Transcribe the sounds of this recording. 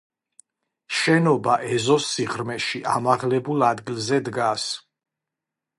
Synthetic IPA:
ʃɛnɔbaʔɛzɔsːiʁɾmɛʃiʔa̰maʁlɛbulˠad̪ɡilzɛd̪ɡas

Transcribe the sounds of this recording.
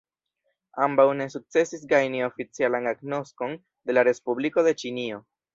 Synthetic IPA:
ambawne̞suk̚t͡se̞sis̬ɡajnio̞fit͡sialanaɡno̞sko̞n | de̞laɾe̞spubliko̞de̞t͡ʃinio̞

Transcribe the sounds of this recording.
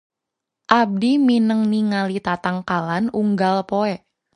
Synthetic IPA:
ʔab̚diminəŋniŋalit̪at̪aŋkalanuŋɡalpoɛ

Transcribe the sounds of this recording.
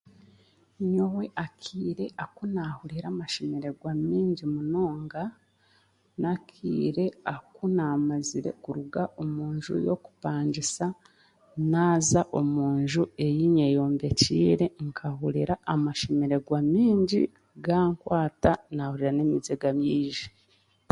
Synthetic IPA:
ɲowe̞ʔakʰiːɾe̞ʔakunahuɾiɾaːmaʃemeɾe̞ɡwamiːɲɟimunoːŋɡa | nakʰḭːɾe̞akunamaziɾe̞̰kuɾuɡaʔo̞muːɲʒṵjo̰ku̥paːɲɟisa | naːzaʔo̞muːɲʒue̞jiɲejo̞ːmbe̞ciːɾe̞ŋkʰahuɾiɾaʔːmaʃemeɾe̞ɡwamiːɲɟḭ | ɡaːŋkwaːtanahuɾiɾanemizeɡamiːʒi

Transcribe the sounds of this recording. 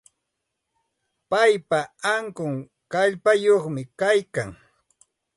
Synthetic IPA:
pajpaaŋkʊŋ | kaʎpajoχmɪkajkaŋ

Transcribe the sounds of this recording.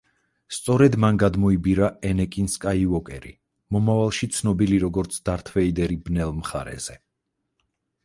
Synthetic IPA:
st̪sʼɔɾɛd̪manɡad̪mɔibiɾaɛnɛkʼinskʼaivɔkʼɛ̰ɾi | mɔmavalˠʃit̪sʰnɔbiliɾɔɡɔɾt̪sʰd̪̥aɾt̪ʰvɛid̪ɛɾibnɛlˠmχa̰ɾɛ̰z̥ɛ

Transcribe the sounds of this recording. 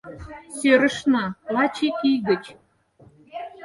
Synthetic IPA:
søɾə̆ʃnɑlɑt͡ɕikiɣə̆t͡ɕ

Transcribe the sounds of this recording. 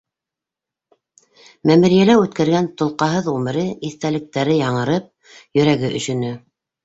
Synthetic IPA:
mæmɘ̆ɾijælæʉt̪kæɾɡænt̪ŏlˠqɑɦɤðʁumɘ̆ɾɘiθt̪ælɘ̆k̚t̪æɾɘjɑɴɤ̆ɾɤp̚ | jɵ̆ɾæɡɘʔɵ̆ʃɵ̆nɘ

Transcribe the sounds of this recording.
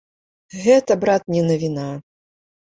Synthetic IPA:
ɣɛt̪ɐbɾat̪nʲɛnɐvʲina

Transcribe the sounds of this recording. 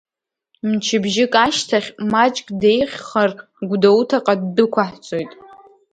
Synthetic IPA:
mt͡ʃʰɪbʒɪkʼaʃtʰaχʲmat͡ʃʼkʼdejχʲχar | ɡʷdowtʰaqʼadːɨkʷaħt͡sʼojtʼ

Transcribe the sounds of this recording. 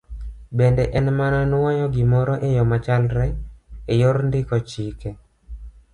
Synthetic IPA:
bɛndɛʔɛnmananwɔjɔɡɪmɔɾɔʔejɔmat͡ʃalɾɛejoɾndɪkɔt͡ʃikɛ

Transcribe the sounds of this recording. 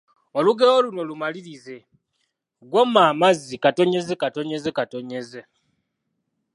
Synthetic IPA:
oluɡeoluno̞lumaliɾize̞ | ɡwomaːmazikato̞ɲe̞zekato̞ɲe̞zekato̞ɲe̞ze

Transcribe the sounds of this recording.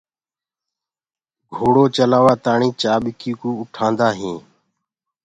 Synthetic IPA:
ɡʱoːɽoːt͡ʃəlaːʋaːt̪aːɳĩːt͡ʃaːɓɪkiːkuːʊʈʰãːnd̪aːɦĩː

